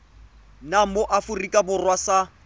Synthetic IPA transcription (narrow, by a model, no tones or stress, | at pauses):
nam̩moʔafʊrikʼabʊrwasa